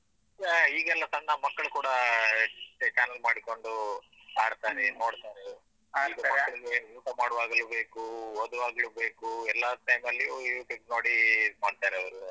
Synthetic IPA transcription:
aiːɡɛlːɐt̪ɐnːɐmɐkːɐɭukuːɽɐ | t͡ʃaːnɐlmaːɽiko̞ɳɖu | aːɽt̪aːɾɛno̞ːɽt̪aːɾe | aiɡɐmɐkːɐɭiɡeuːʈɐmaːɽʋaːɡɐlube̞ːkuɔd̪uʋaːɡɐlube̞ːkuɛlːaʈɐjmɐlːiiʈiɡnoːɽimaːɽt̪aːɾɛɐʋɐɾu

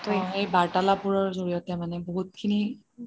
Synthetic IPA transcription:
tojejbaɹtalapuɹɔɹzoɹijɔtɛmanɛboɦut̚kʰini

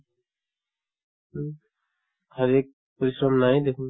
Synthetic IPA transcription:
həɾeːk̚ | pəɾɪʃɾəmnaːɦẽːd̪eːkʰu

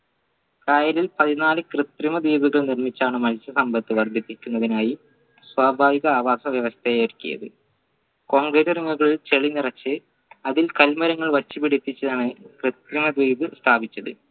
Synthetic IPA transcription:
kɐjɐɾilpɐðinaːlɨkrɨt̪rimɐd̪iːbuɣɐɭnirmit͡ɕːaːɳɨmɐlt͡ɕːɐsɐmbɐt̪ːɨʋɐrd̪ʱit̪ːikʲːunːɐðinaːji | swaːbʱaːʋiɣɐaːʋaːsɐʋjɐʋɐst̪ʰejɐɾkʲːḭjɐ̰ðɨ̰ | ko̞ːŋɡresiriŋːuɣɐɭilt͡ɕeɭinirɐt͡ɕːɨ | ɐðilkɐlmɐɾɐŋːɐɭʋɐt͡ɕːipiɽit̪ːit͡ɕːɐt̪ɐɳekrɨt̪rimɐd̪ʋiːbɨst̪ʰaːbʱit͡ɕːɐðɨ̰

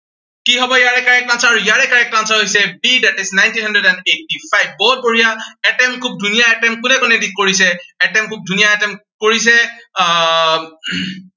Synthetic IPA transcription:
kiɦɔbɔjaɹɛkaɹɛk̚tansɔaɹujaɹɛkaɹɛk̚tansɔɦojsɛbidatiznajntinhɦãndɹɛdɛndetipajb̚ːout̚boɹijaɛtɛmkʰub̚dʱunijaɛtɛmkʊnɛkɔnɛdik̚koɹisɛɛtɛmkʰub̚dʱunijaɛtɛmkoɹis̬ɛ

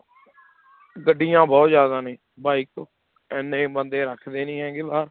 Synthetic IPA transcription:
ɡəɖːiːjãːbɔːt̪zjaːd̪ãːnẽː | baːik̚oː | ɛːnːẽːbənd̪eːɾəkʰd̪eːnĩːɦɛ̃ːɡeːbaːɾ

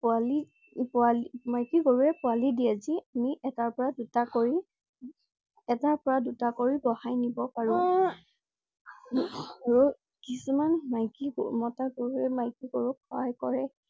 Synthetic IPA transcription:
pʊali | pʊalmajkiɡoɹuɹɛpʊalidiaziamiʔɛtaɹpɔɹadutakoɹi | ɛtaɹpɔɹadutakoɹiɡɔhajnibɔpaɹũ | aɹu | kisumanmajkḭmɔtaɡoɹuɛmajkiɡoɹukʰɔajkɔɹɛ

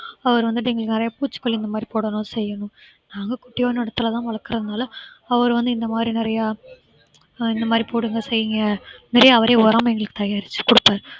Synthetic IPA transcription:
ɐʋɐɾɯʋɐnd̪ɯʈɛŋɡɐɭɯkːɯnɪɾɐjaːpuːt͡ʃːɯ̥kːɔɭliɪnd̪ɐmaːd̪ɾipoːɽɐnõːsɛjːɐɳʊ̃ | naːŋɡɐkʊʈːɪjoːnɛɽɐt̪ːɯlɐt̪ãːʋɐɭɐkːɯɾɐðɐnaːlɐɐʋɐɾʋɐnd̪ɯɪnd̪ɐmaːd̪ɾinɪɾɐjaː | ɪnd̪ɐmaːd̪ɾipoːɽɯŋɡɐsɛjːɪŋɡɐnɪɾɐjaːʋɐɾeːɔɾaːmɐɛŋɡɐɭɯkːɯt̪ɐjaːɾɪt͡ʃːɯ̥kʊɽɯpːaːɾ

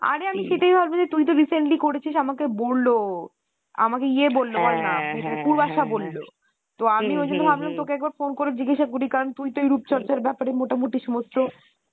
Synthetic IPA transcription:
a̰ɾeamiʃeʈajbʱabbod͡ʑet̪ujt̪̬oɾisenʈlikoɾet͡ɕʰiʃamakebolːo | a̰makeiebolːobaɾnaetokuɾbaʃabolːo̰ | t̪oamiod͡ʑonːobʱablamt̪okeɛk̚baɾfonkoɾeɾd͡ʑiɡeʃakoɾikaɾont̪ujt̪ojɾupt͡ɕɔɾt͡ɕaɾbɛpaɾemoʈamuʈiʃɔmost̪o

